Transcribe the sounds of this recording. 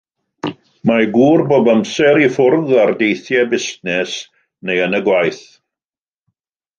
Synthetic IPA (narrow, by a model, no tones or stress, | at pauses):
maɡuːrboːbəmsɛɾifʊrðardejθjɛbɪstnɛs | nejənəɡwajθ